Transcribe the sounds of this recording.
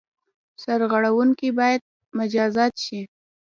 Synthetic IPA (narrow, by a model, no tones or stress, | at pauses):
saɾɣaɽawuŋkibɑjad̪̚ | mʊd͡ʒɑzɑt̪ʃi